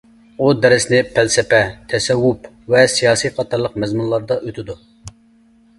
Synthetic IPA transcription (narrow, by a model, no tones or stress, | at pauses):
ud̪ɛɾɪsnɪpʰælsɛpɛt̪ʰɛsɛwːup | vɛsijɑːsijqʰɑt̪ʰɑɾlˠəq̚mɛzmunlˠɑɾd̪ɑʔøt̪ʰɪd̪u